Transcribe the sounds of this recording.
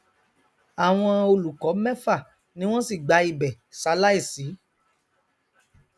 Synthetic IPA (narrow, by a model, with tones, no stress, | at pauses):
a˨w̃ɔ̃˧o˧lu˨kɔ˨˦mɛ̃˦fa˦˨ | nĩ˨˦w̃ɔ̃˦si˦˨ɡ͡ba˧i˧˨bɛ˨ | sa˧la˦i˦˨si˨˦